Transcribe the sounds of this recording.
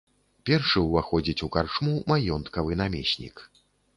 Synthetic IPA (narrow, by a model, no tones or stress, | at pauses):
pʲɛrʂɨwvaxɔd͡zʲit͡sʲukart͡ʂmumajɔnt̪kɐvɨn̪amʲɛ̰sʲnʲḭk